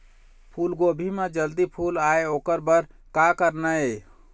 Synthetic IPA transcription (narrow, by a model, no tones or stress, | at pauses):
pʰulɡobʱimed͡ʒəld̪ipʰulaeokəɾbəɾ | kakəɾnə